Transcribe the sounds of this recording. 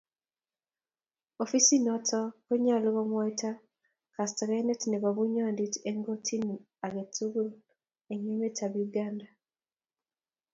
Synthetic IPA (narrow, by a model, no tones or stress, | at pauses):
ɔfisinɔtʰɔkoɲaloβɔmwaita | kastaɾanetneβaβuɲɔnditeŋɡotʰin | aɡetuɣul | eɲemetʰaβiuɡanda